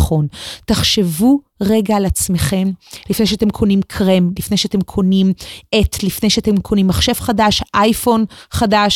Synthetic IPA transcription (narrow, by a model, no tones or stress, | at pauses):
χo̞ntaχʃe̞vu | ʁeɡalat͡sme̞χe̞mlifnejʃeat̪e̞mkʰo̞nimkʰʁemlifne̞jʃeat̪emkʰo̞nimʔetlifne̞jʃeatemkʰo̞nimːaχʃe̞vχadaʃʔajfo̞nχadaʃ